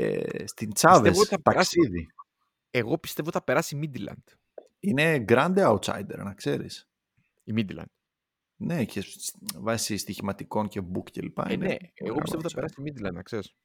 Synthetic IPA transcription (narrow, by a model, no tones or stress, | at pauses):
ḛst̪int͡sɐveesoɐt̪ɐɾɐsiði | eɣo̞pi̥st̪e̞voθɐpe̞ɾɐsimid̪ilɐ̰nd̪̥ | ine̞ɡɾɐnd̪eɐut̪sɐ̰jd̪e̞̰ɾnɐkse̞ɾḭs | imid̪ilɐ̰nd̪̥ | ne̞cʰesvɐsist̪içimɐt̪iko̞nce̞bukcḛlipɐ̰neḛɣoist̪eoɐpeɾɐsiimid̪ilɐ̰nɐkses